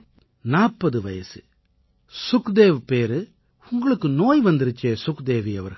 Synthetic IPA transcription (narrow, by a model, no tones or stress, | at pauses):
naːpːɐðɯʋɐjɐsɯ̥ | sʊkd̪eːʋpeːɾɯ | ʊŋɡɐɭɯkːɯnoːjʋɐnd̪ɪɾɯt͡ʃːeːsʊkd̪eːʋiɐʋɐɾɣɐ